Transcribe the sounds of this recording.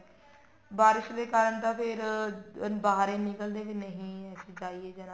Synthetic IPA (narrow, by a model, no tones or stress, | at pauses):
baːɾɪʃd̪eːkaːɾəɳt̪aːpʰɪɾ | baːɾeːnɪkəld̪eːbɪnəɦĩːɛːsiːd͡ʒaːieːd͡ʒən